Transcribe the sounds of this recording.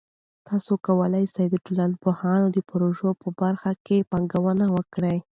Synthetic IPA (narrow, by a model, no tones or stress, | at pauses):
t̪ʰɑsokawəlajsajd̪əʈʊlanpohɑnod̪əpɾoʒopəbaɾxakepɑŋɡawənawəkɽaj